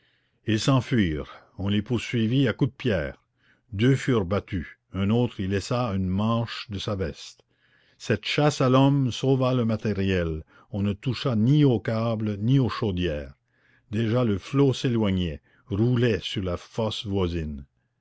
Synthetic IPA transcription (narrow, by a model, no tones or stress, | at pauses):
ilsɑ̃fɥiːʁ | ɔ̃lepuʁsɥiviakud̪̚pjɛːʁ | d̪øfyʁbat̪y | œ̃not̪ʁilːɛsaynmɑ̃ːʃd̪əsavɛst̪ | sɛt̪ʃasalɔmsovaləmat̪eʁjɛl | ɔ̃nət̪uʃaniokablnioʃod̪jɛːʁ | d̪eʒaləfloselwaɲɛ | ʁulɛsyʁlafɔsvwazin